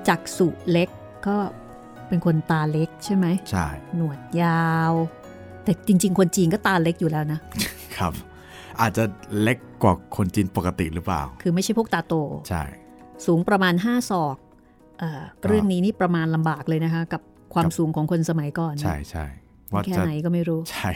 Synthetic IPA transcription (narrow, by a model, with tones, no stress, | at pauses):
t͡ɕaː˨˩k̚su˨˩le˦˥kː | ɔː˥˩ | pe˧nkʰo˧nt̪aː˧le˦˥k̚t͡ɕʰa˥˩jma˦˥jt͡ɕʰa̰˥˩jnu˨˩ət̪̚jaː˧w | t̪ɛː˨˩t͡ɕi˧ŋt͡ɕi˧ŋkʰo˧nt͡ɕiː˧ŋkɔː˥˩t̪aː˧le˦˥k̚juː˨˩lɛː˦˥wna˦˥ | kʰa˦˥p̚ | ʔaː˨˩t̪̚t͡ɕa˨˩le˦˥kːwaː˨˩kʰo˧nt͡ɕiː˧npo˨˩ka˧t̪ḭ˨˩ɾɯː˦˥pla̰ː˨˩wkʰɯː˧ma˥˩jʰt͡ɕa˥˩pʰu˥˩k̚t̪aː˧t̪oː˧t͡ɕʰa̰˥˩jsuː˩˦ŋpɾa˧maː˧nɦaː˥˩sɔː˨˩k̚ | ʔaː˨˩ɾɯ˥˩əŋniː˦˥niː˥˩pɾa˧maː˧nla˧mbaː˨˩k̚lɤː˧jna˦˥kʰa˦˥ka˨˩p̚ | kʰwaː˧msuː˩˦ŋkʰɔː˩˦ŋkʰo˧nsa˧ma˩˦jkɔː˨˩nt͡ɕʰa˦˥˩jt͡ɕʰa̰˥˩j | waː˥˩kʰɛː˥˩na˩˦jkɔː˥˩ma˥˩jɾuː˦˥t͡ɕʰa˥˩j